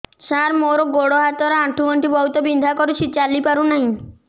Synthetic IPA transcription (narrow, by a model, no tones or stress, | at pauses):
saɾmoɾoɡoɽoɦat̪ɔɾaʈʰːumɔɳʈibɔɦut̪ɔbind̪ʱakoɾut͡ʃʰit͡ɕalipaɾunaɦĩ